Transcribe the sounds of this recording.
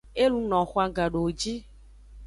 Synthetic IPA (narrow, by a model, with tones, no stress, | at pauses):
e˦lũ˦nɔ̃˨xɔ˨˦a˨ɡa˨ɖo˨wo˨d͡ʒi˦